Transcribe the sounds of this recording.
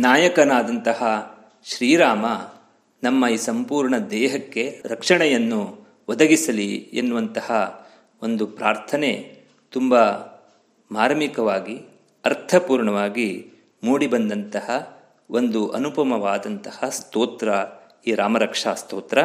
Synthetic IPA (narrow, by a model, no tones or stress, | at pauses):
naːjɐkɐnaːd̪ɐnt̪ɐhɐ | ʃɾiːɾaːmɐ | nɐmːɐiːsɐmpuːɾɳɐd̪ɛːɦɐkːe̞ɾɐkʂɐɳɛjɐnːu | ʋɐd̪ɐɡisɐliḛnːuʋɐnt̪ɐhɐ | ond̪upɾaːɾt̪ʰɐne̞ | t̪umbɐ | maːɾmikɐʋaːɡi | ɐɾt̪ʰɐpuːɾɳɐʋaːɡi | muːɽibɐnd̪ɐnt̪ɐhɐ | ʔond̪uʔɐ̰nupɐmɐʋaːd̪ɐnt̪ɐhɐst̪oːt̪ɾɐ | iːɾaːmɐɾɐkʂaːst̪oːt̪ɾɐ